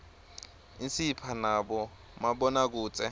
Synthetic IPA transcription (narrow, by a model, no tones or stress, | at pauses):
insipʰanabɔ | mabɔnak̬uːt͡sʼɛ